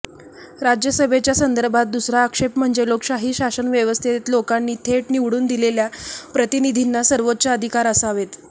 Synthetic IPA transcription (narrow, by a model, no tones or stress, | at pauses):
ɾad͡ʑjəsəbʱet͡ɕjasənd̪əɾbʱat̪̚d̪usɾaːkʂepm̤əɳd͡zelokɕaɦiːɕasənʋjəʋəst̪ʰit̪lokanːiːt̪ʰeʈniʋɽuːnd̪ileljapɾət̪inid̪ʱinːasəɾʋot̪̚ːt͡saəd̪ʱikaɾəsaʋet̪